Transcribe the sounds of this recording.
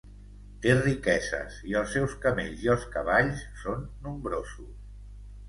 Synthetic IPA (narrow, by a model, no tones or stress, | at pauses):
t̪erikɛzə̰ziəlˠsːɛwskəmḛʎziəlˠskəβ̞aʎsːonːumbɾozus